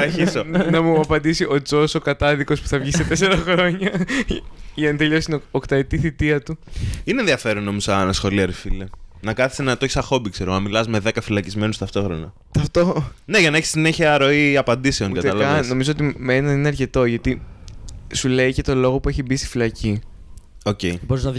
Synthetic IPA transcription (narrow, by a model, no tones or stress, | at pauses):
ɐɾçisonɐmuɐpɐnd̪isiʔo̞t͡sosokɐt̪ɐðiko̞spu̥θɐvʝiset̪es̬e̞ɾɐxɾo̞ɲɐ | ʝɐnit̪e̞ʎo̞sinookt̪ɐet̪iθit̪iɐt̪uinẽnðiɐfe̞ɾonːomizɐnɐsxo̞liɐɾifilenɐkɐθi̥senɐt̪oçisɐxo̞bikse̞ɾoɐnmilɐzme̞ðekɐfilɐcizme̞nust̪ɐft̪o̞xɾo̞nɐ | t̪ɐft̪o̞ne̞ʝɐnɐeçi̥sineçiɐɾo̞iɐpɐnd̪ise̞o̞nɡɐt̪ɐlɐvɐsno̞mizo̞ot̪̬imenɐnineɐɾce̞t̪o̞ʝɐt̪i | sule̞ice̞t̪o̞lo̞ɣo̞pue̞çibist̪i̥filɐci | oce̞iboɾiznɐ